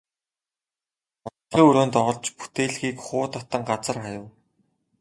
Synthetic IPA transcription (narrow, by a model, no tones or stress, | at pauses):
ɔ | iːŋɵɾoːnt̪ɔʁɞ̆ɮt͡ɕpu̥t̪eːɮɣiːkχʊːt̪ɔt̪ə̆ŋɢat͡sə̆rχajə̆w